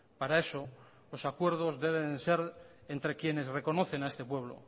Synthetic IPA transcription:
paɾae̞so | lo̞sakwe̞ɾð̞o̞zðe̞β̞ense̞ɾ | e̞nt̪ɾe̞kje̞ne̞sre̞ko̞noθe̞naest̪epwe̞β̞lo̞̰

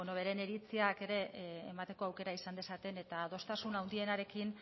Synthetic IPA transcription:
onoβe̞ɾe̞neɾit͡siake̞ɾe̞ːmat̪e̞ko̞awke̞ɾaisand̪e̞sat̪e̞ne̞t̪aðo̞st̪asunawnd̪ie̞naɾe̞kin

